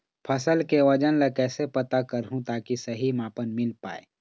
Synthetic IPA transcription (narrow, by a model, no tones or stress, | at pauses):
pʰɐsəlkeʋɐd͡ʒənlekɛːsepɐt̪akɐɾɦũt̪aːkisɐɦimaːpənmɪlpa̰ːḛː